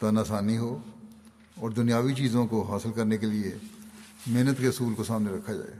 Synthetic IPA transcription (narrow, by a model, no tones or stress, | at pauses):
t̪anaːsaːniɦoː | ɔːɾd̪ʊnijaːʋit͡ʃiːzõkoɦaːsɪlkɐɾnekelie | meːnət̪keʊsuːlkosaːmneɾɐkʰːad͡ʒa̰ːḛː